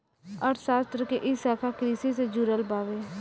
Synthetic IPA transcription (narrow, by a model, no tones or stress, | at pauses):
əɾsaːst̪ɾəkeʔɪsaːkʰakɾiːsised͡ʒuɾəlbaːʋeː